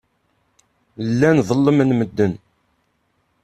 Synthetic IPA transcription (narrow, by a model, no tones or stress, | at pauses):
lːænðˤəlːəmənməd̪ːən